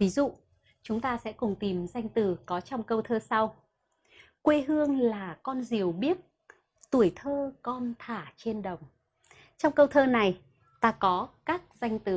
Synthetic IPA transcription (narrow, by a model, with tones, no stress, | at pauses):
vi˨˦zṵ˧˨ | t͡ɕʊ˨˦ŋ͡mt̪aː˧sɛ̰˧˥kʊ˨˩ŋ͡mt̪i˨˩mza˧jŋ̟t̪ɨ˨˩kɔ˨˦t͡ɕɔ˧wŋ͡mkə˧wt̪ʰəː˧sa˧w | kwe˧ɦɨ˧əŋlaː˨˩kɔ˧nzi˨˩əwɓi˦˥ət̚ | t̪u˧˩əjt̪ʰəː˧kɔ˧nt̪ʰaː˧˩t͡ɕe˧nɗə˨˩wŋ͡m | t͡ɕɔ˧wŋ͡mkə˧wt̪ʰəː˧na˨˩j | t̪aː˧kɔ˨˦kaː˦˥k̚za˧jŋ̟t̪ɨ˨˩